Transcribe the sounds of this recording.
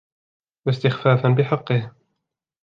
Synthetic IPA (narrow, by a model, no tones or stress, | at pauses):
wast̪ɪxfaːfanbɪħɑqːɨh